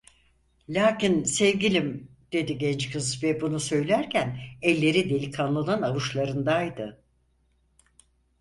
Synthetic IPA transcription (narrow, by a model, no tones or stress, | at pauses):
lʲaːcinsɛvɡʲilʲim | d̪̥e̞d̪iɟɛnt͡ʃkʰɯzvɛbunusø̞jlʲæɾcʰænɛlʲːe̞ɾid̪e̞lʲikʰanlˠanˠanavɯʃlˠaɾɯnd̪ajd̪ɯ